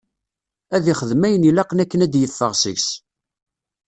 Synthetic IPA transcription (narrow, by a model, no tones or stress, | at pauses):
æðiχəðmæjənilɑqənækːənæd̪jəθːəʁsḭçs